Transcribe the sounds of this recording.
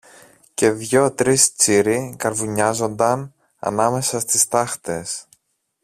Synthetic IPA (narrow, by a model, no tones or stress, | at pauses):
ce̞ðʝo̞t̪ɾist͡siɾikɐɾvuɲɐzo̞nd̪ɐn | ɐ̰nɐme̞sɐst̪ist̪ɐxt̪e̞s